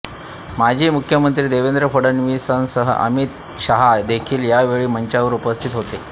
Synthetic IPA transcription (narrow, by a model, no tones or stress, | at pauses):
mad͡ʑʱiːmukʰjəmənt̪ɾiːd̪eʋend̪ɾəfoɽənʋisansəɦə̰ʔə̰mit̪ | ɕaɦad̪ekʰiːljaʋeɭiːm̤əɲt͡ɕaʋəɾupəst̪ʰit̪ɦot̪e